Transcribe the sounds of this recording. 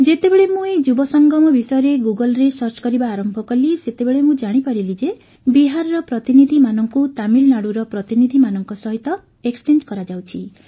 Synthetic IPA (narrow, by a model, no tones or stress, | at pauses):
d͡ʒet̪ebeɭemũed͡ʒubɔsɔŋɡɔmɔbisɔjɔɾeɡuɡɔlɾesɔɾt͡ʃkɔɾibaːɾɔmbʱɔkɔliset̪ebeɭemũd͡ʒaɽ̃ipaɾilid͡ʒe | biɦaɾɔɾɔpɾɔt̪inid̪ʱimanɔŋkut̪amilnaɽuɾɔpɾɔt̪inid̪ʱimanɔŋkɔsɔɦit̪ɔ | ekst͡ʃend͡ʒkɔɾad͡ʒawt͡ʃʰi